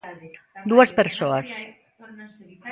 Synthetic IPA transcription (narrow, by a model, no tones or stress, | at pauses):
d̪uaspeɾsoas